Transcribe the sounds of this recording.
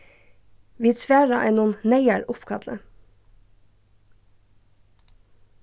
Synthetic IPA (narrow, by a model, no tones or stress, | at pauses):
ʋiːsʋæːɹɑ̰ʔeːnuːnneɪæɾʊpkʰɑd̪lə̰